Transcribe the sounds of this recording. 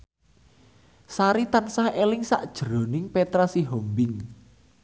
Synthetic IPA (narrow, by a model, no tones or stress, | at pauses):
saɾit̪ansahelɪŋsaʔd̥ʒ̥ə̤ɾo̤nɪŋpet̪ɾasiɦɔmbɪŋ